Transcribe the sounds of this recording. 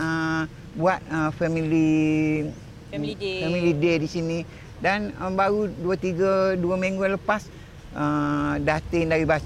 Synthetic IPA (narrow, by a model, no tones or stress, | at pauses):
ə | buat̪̚əfɛmĩli | fɛmilidedisinĩ | danəbaɾuduət̪iɡəduamĩŋɡoləpas | ədat̪ɪŋdaɾibas